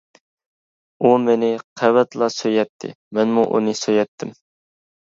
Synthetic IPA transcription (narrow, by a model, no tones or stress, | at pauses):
umenɪqʰɛwɛt̪lˠɑsøjɛt̪ʰːɪ̰ | mɛnmuʔṵnɨsøjɛt̪ʰːɪm